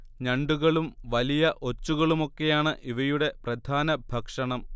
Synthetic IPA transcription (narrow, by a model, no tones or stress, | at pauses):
ɲɐɳɖuɣɐɭumʋɐlijɐʔo̞t͡ɕːuɣɐɭumo̞kːe̞jaːɳɨʔiʋɐjuɽe̞prɐd̪ʱaːnɐbʱɐkʂɐɳɐm